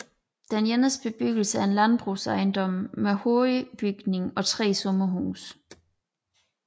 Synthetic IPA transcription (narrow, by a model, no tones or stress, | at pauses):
d̥enjenəsb̥e̝b̥yɡ̥l̩səæɐe̝nlænb̥ʁuːsɑ̈ɪnd̥ɒ̽m̰mehoːib̥yɡ̥ne̝ŋɒ̽t͡sʰʁɛ̰ːsɔ̽mɐɦṵːs